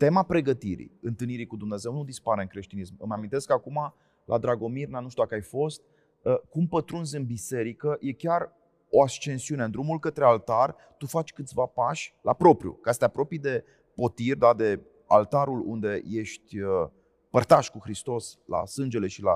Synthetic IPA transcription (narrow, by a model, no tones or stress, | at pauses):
t̪e̞mapɾe̞ɡət̪iɾḭɨnt̪ɨlniɾikud̪umne̞ze̞wnud̪ispaɾeɨŋkɾe̞ʃt̪inismɨ̰mamint̪eskakuma | lʔa̰d̪ɾaɡo̞mirnanuʃt̪ud̪akajfo̞st̪ | əkumpət̪ɾunzʲɨnbise̞ɾikəjʔe̞kʲar | o̞ast͡ʃe̞nsiunend̪ɾumulkət̪ɾe̞alt̪ar | t̪ufat͡ʃʲkɨt̪sʲvapaʃʲlapɾo̞pɾʲjṵkast̪eapɾo̞pijd̪e̞ | po̞t̪irʲd̪ad̪e̞ | a̰lt̪aɾulṵnd̪e̞je̞ʃt̪ʲə | pərt̪aʃkuxɾist̪o̞sla̰sɨnd͡ʒe̞le̞ʃila̰